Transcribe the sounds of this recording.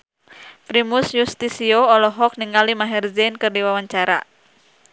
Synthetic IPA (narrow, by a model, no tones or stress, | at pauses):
pɾimusjust̪isioɔlɔɦɔk̚niŋalimaɦɛrzɛnkɨrdiwawaɲt͡ʃaɾa̰